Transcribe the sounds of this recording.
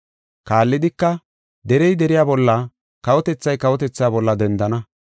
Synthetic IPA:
kaːlːɪd̪ɪkːɐ | d̪ɛɾɛjd̪ɛɾɪjaːbɔlːɐ | kɐwɔt̪ɛt͡sːɐjkɐwɔt̪ɛt͡sːaːbɔlːɐd̪ɛnd̪ɐnɐ

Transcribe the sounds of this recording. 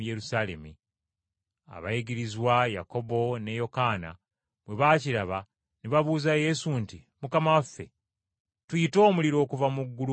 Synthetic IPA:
jeɾusale̞̰mi | a̰βa̰jiɡiɾizwaja̰ko̞bo̞ne̞jo̞kana̰ | βwe̞βaːciɾaβa | neβaβuːzaje̞sunti | mukamawafːe̞̰ | tujito̞ːmuliɾo̞ːkuvamuɡːulu

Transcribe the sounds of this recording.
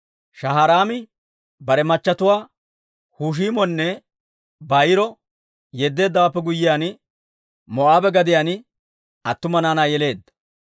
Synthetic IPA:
ʃɐɦaɾaːmɪ | bɐɾɛmɐt͡ʃːɐt̪ʊwaː | huːʃ̬iːmɔnːɛ | bɐjɪɾɔ | jɛd̪ːe̞ːd̪ːɐwaːpːɛɡʊjːɪjaːn | mɔʔaːbɛɡɐd̪ɪjaːn | ɐt̪ːʊmɐnaːnaːjɛle̞ːd̪ːɐ̥

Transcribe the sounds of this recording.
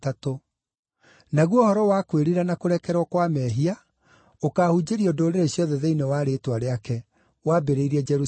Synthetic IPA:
tato | naɣwɔhɔɾɔwakweɾiɾanakoɾɛkɛɾwɔkwamɛɦia | okaːhud͡ʑeɾiɔdoːɾeɾeɕjɔðɛðeinewaɾetwaɾeakɛ | wabeɾeiɾɛd͡ʒɛɾu

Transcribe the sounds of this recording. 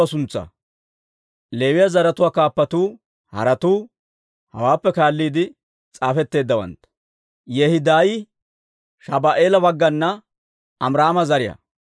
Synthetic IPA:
ɐsʊnt͡sːɐ̰ | le̞ːwɪjɐzɐɾɐt̪ʊwaːkaːpːɐt̪uː | hɐ̰ɾɐt̪uː | hɐ̰waːpːɛkaːlːiːd̪ɪ | t͡sʼaːfɛt̪ːe̞ːd̪ːɐwɐ̰nt̪ɐ̥ | jɛhɪd̪aːj | ʃɐbaʔeːlɐbɐɡːɐnːɐ | ɐmɾaːmɐzɐɾɪjɐ̰

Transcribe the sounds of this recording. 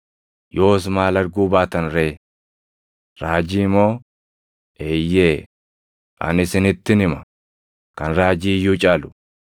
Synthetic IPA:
jo̞ːsmaːlɐɾɡuːbaːt̪ɐnɾeː | ɾaːd͡ʒiːmo̞ː | ʔeːjːeː | ʔɐ̰nɪsɪnɪt̪ːɪnɪmɐ | kɐnɾaːd͡ʒiːjːuːt͡ʃʼaːlʊ̥

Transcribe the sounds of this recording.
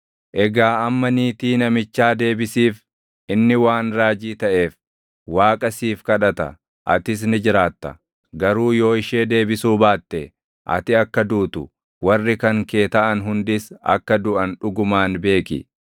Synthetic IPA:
ʔɛɡaːɐmːɐniːt̪iːnɐmɪt͡ʃːaːd̪e̞ːbɪsiːf | ʔɪnːɪwaːnɾaːd͡ʒiːt̪ɐʔe̞ːf | waːkʼɐsiːfkɐᶑɐt̪ɐ̰ | ʔɐ̰t̪ɪs̬nɪd͡ʒɪɾaːt̪ːɐ̰ | ɡɐɾuːjo̞ːɪʃe̞ːd̪e̞ːbɪsuːbaːt̪ːɛ | ʔɐ̰t̪ɪɐkːɐd̪uːt̪ʊ | wɐrːɪkɐŋke̞ːt̪ɐʔɐnɦʊnd̪ɪsɐ̰kːɐd̪ʊʔɐnᶑʊɡʊmaːnbe̞ːkɪ̰

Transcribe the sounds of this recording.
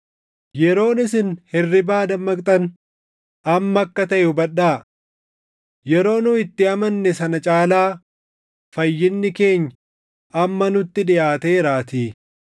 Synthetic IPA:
jɛɾo̞ːnɪsɪnhɪrːɪbaːd̪ɐmːɐkt̪ʼɐn | ɐmːɐɐkːɐt̪ɐʔɛʊbɐᶑaː | jɛɾo̞ːnʊɪt̪ːɪɐmɐnːɛsɐnɐt͡ʃʼaːlaː | fɐjːɪnːɪke̞ːɲː | ɐmːɐnʊt̪ːɪᶑɪjaːt̪eːɾaːt̪iː

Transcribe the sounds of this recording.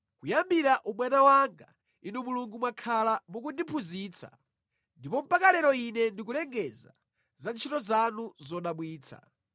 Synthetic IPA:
kujambiɾaʔuɓwanawaŋɡa | inumuluŋɡumwakʰalamuk̬undipʰuziːt͡sʰa̰ | ndipɔm̩pakalɛɾɔinɛndik̬ulɛŋɡɛza̰ | zant͡ʃʰitɔzanuzɔɗaɓwiːt͡sʰa̰

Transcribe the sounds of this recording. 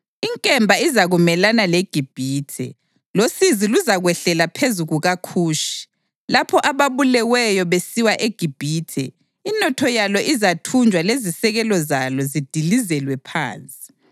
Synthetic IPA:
iŋkʼɛmbʱaizaɣumɛlanaleɡ̥ʱib̥ʱiːtʰɛ̰ | losiziluzaɣwɛɬɛlapʰezuɣuɣakʰuːʃi̥ | lapʰɔʔaβaβulɛwɛjɔβesiwaʔeɡ̥ʱib̥ʱiːtʰɛ̰ | inɔtʰɔjalɔʔizatʰund͡ʒʱwalezisɛɣɛlɔzalɔzid̥ʱilizɛlwɛpʰa̰ːnt͡sʼi̥

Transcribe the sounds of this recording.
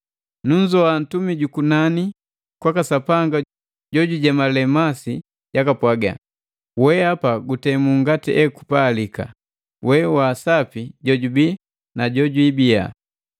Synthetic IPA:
nuɲd͡ʒɔan̩tumiɟukunani | kwakasapaŋɡa | ɟɔɟuɟamalɛmasi | ɟakapwaɡa̰ | wɛapaɡutɛmuŋɡatiʔɛkupaːlika̰ | wɛwaːsapiɟɔɟubi | naɟɔɟuibija̰

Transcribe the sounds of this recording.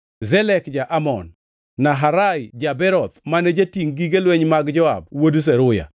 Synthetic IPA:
zɛlɛkd͡ʒaʔamɔ̰nː | aɦaɾaɪd͡ʒabɛɾɔt̪̚maned͡ʒatiŋɡiɡelweɲmaɡd͡ʒɔa̰b̚wodus̬ɛɾʊja̰

